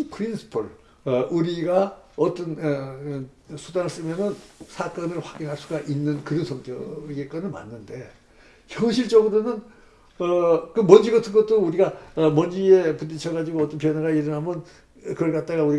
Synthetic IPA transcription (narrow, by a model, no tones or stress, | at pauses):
ipʰɯɾinsʰɯ̥pʰɯɭ | ʌʔuɾiɡaʌt͈ʌn | sʰudanɯɭs͈ɯmjʌnɯnsʰak͈ʌnɯɭɸwaɡiŋɦaɭs͈uɡaʔinːɯnkɯɾʌnsʰʌŋt͈ʌɡek͈ʌnɯɭma̰nːɯnde̞ | çjʌŋɕ̬ʰiɭt͡ɕ͈ʌɡɯɾonɯn | ʌkɯmʌnd͡ʑiɡʌtʰɯnɡʌt͈ɯɾuɾiɡaʌmʌnd͡ʑie̞pundit͡ɕʰʌɣad͡ʑiɡoʌt͈ʌnpjʌnaɡaiɾɯnɦamʌn | kɯʌɭk͈at̚t͈aɣauɾi